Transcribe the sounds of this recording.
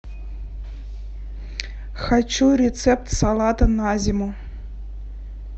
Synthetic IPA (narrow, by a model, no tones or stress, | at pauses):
xɑt͡ɕːurʲet̪sep̚t̪sɑlˠɑt̪ɤnazʲimu